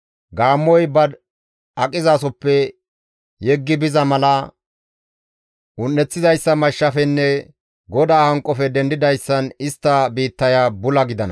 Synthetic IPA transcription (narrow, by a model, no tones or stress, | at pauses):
ɡaːmːɔjbɐd̪ | ɐkʼɪzaːsɔpːɛ | jɛɡːɪbɪzɐmɐlɐ | ʔʊnːɛt͡sːɪdɐjsːɐmɐʃːɐfɛnːɛ | ɡɔd̪aːhɐŋkʼːɔfɛd̪ɛnd̪ɪd̪ɐjsːɐnɪst̪ːɐbiːt̪ːɐjaːbʊlɐɡɪd̪ɐnɐ̰